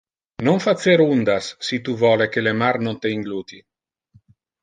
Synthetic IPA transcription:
noɱfat̪seɾund̪asːit̪uvɔlekelemaɾnont̪eiŋɡluːt̪i

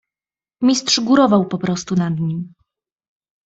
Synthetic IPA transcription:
mʲistʂɡuɾɔvawpɔpɾɔst̪unad̪ɲim

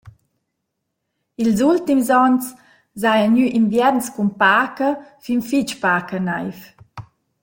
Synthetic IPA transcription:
ilzult̪imzɔns | zajaɲyʔinvjɛɾnskunpaːkəfinfit͡ʃpaːkənajf

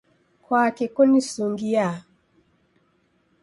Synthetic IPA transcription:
kʰwakekɔnisuŋɡija

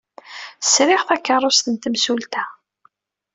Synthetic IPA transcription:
sɾɪʁθækːɑrˤost̪ənt̪əmsult̪æ

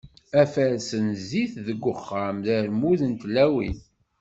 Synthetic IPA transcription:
æfæɾsənziθðəɡʷːʊχːamðəɾmuðənt̪læwḭn

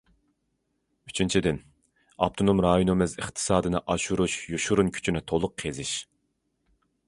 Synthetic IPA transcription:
yt͡ʃʰint͡ʃʰid̪ɪn | ɑ̰p̚t̪ʰonumɾɑːjunɨmɪzɨχt̪ʰɨ̥sɑːd̪ɨnɨʔɑʃuɾuʃjuʃuɾunkʲʰy̥t͡ʃʰynɪt̪ʰolˠʊqʰezɪʃ

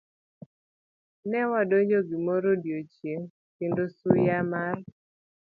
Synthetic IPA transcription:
nɛwadoɲd͡ʒoɡimoɾodjot͡ʃjeŋ | kendosujamar

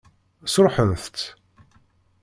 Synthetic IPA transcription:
sɾˤħənθt͡s̪

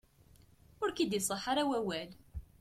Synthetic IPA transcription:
ʊɾkid̪jisˤəħaɾawæwæl

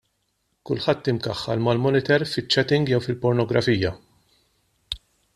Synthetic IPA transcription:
kʊlħɐt̪ːɪmkɐħːɐ̰lmɐlmɔnɪt̪ɛɾfɪt͡ʃːɛt̪ɪŋɡjɛwfɪlpɔɾnɔɡɾɐfiːjɐ

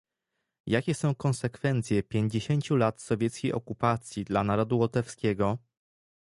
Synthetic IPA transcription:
jakʲɛsɔ̃w̃kɔnsɛkfɛnt̪sʲjɛpʲjeɲd͡ʑeɕeɲt͡ɕulat̪sɔvʲjɛt̪skʲejʔɔkupat̪sʲjid̪lanaɾɔd̪uwɔt̪ɛfskʲɛɡɔ

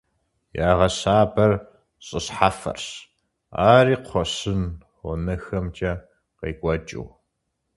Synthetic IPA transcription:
jaːʁɐɕaːbɐr | ɕʼɨɕħafɐ̰rɕ | a̰ːriːqʷʰɔɕɨn | ɔnɐxɐmt͡ʃʼɐ | qeːkʷʼɔt͡ʃʼɪ̰w

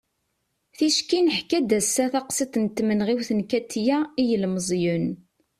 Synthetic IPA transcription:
θiʃkinəħkæd̪æsːæθɑqsit̪nt̪ːmənʁiwθənkæt̪ːjæijəlməzˤjun

